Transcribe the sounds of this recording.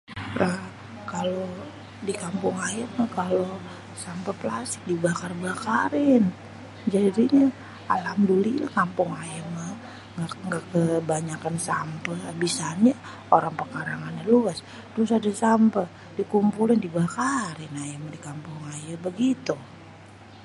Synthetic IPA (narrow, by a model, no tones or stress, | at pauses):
lʔah | kalo | dikampʊŋajəmakalo | sampəpəlasɪ̥k̚dibakarbakaɾɪn | d͡ʒadiɲa | alamdulila̰hkampʊŋajəma | aŋɡakəbaɲakansampəabisana | oɾaŋpərkaɾaŋanɲaluas | tʊsadasampə | dikumpulɪndibakaɾɪnajamadikampʊŋajəbəɡit̪u